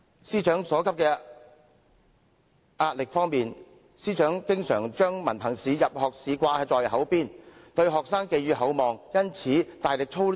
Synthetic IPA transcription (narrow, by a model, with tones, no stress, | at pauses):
siː˥t͡ʃœː˨˥ŋsɔː˨˥kʰɐ˥p̚kɛː˧ | ʔaː˧t̚lɪ˨k̚fɔː˥ŋmiː˨n | siː˥t͡ʃœː˨˥ŋkɪ˥ŋsœː˨˩ŋt͡ʃœː˥ŋmɐ˨˩npʰɐ˨˩ŋsiː˨˧jɐ˨p̚hɔː˨k̚siː˨˧kʷaː˧ɐ˧t͡sɔː˨˩jɦɐ˨˥wpiː˥nt̪ɵ˧ɥɦɔː˨k̚saː˥ŋke˧jɥyː˧hɐ˨˥wmɔː˨ŋjɐ˥nt͡sʰiː˨˥t̪aː˨jlɪ˨k̚t͡ʃʰo˥w